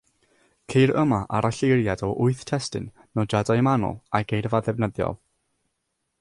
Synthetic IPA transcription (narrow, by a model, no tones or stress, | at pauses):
kʰejɾəmaʔaɾaɬejrjadɔʔʊɨθtʰɛstɨ̰nːɔd͡ʒadajmanɔ̰lˠaɡ̥ejrvaðɛvnəðjɔ̰lˠ